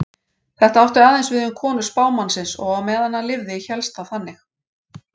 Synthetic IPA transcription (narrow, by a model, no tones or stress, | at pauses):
θɛht̪aawht̪ʏɾaːðɛjnsvɪðʏmkʰɔːnʏspaːwmansɪnsɔ̰ɣawmɛːðanːalɪvðɪiçɛlst̪aθanːɪx